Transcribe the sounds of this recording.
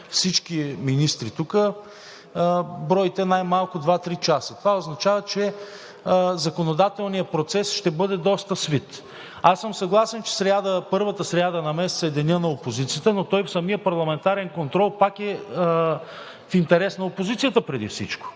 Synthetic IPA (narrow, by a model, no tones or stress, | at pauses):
fsit͡ʃkʲiminist̪ɾit̪ukə | bɾɔjit̪ɛnajmalˠkʊd̪vat̪ɾit͡ʃasət̪ovaoznɐt͡ʃavət͡ʃɛ | zɐkonod̪at̪ɛlˠnijəpɾot̪sɛsʃt̪ɛbɤd̪ɛd̪ɔst̪əsvit̪ | asːəmsɐɡlˠasɛnt͡ʃɛ̥sɾʲad̪əpɤɾvət̪əsɾʲad̪ənɐmɛst̪sɛd̪ɛnʲənɐopozit̪sijət̪ənot̪ɔjfsɐmijəpɐɾlˠɐmɛnt̪aɾɛnkont̪ɾɔlˠpakɛ | fint̪ɛɾɛsnɐopozit̪sijət̪əpɾɛd̪ḭfsḭt͡ʃko̥